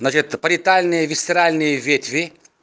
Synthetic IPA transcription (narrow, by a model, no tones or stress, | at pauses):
nat͡ʃɪt̪pɐɾʲɪt̪alʲnɨjəvʲɪsʲt̪ʲɪɾalʲnɨjəvʲet̪ʲvʲɪ